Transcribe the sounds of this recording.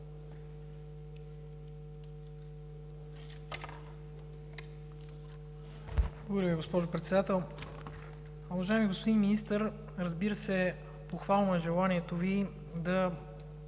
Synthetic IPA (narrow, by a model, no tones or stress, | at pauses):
ovoɾʲɛviɡospɔʒopɾɛt̪sɛd̪at̪ɛlˠ | uvɐʒaɛmiɡospod̪inminist̪əɾ | ɾɐzbiɾəsɛ | poxvalˠnɐʒɛlˠaniɛt̪ovi | d̪ɐ